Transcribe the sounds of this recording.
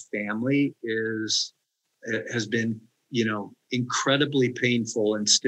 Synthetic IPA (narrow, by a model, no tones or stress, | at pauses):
fæ̃mliɪz̥ | hɨzbɪ̃n | jɨnoʊɨ̃nkʰɹ̥ɛɾɨblipʰẽɪ̃nfl̩ˠə̃nst